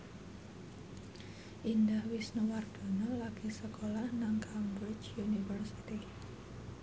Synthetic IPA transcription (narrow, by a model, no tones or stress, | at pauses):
ʔind̪ahwisnuward̪̥o̤nɔlaɡ̥isəkolahnaŋkʰambɔt͡ʃunifərsit̪i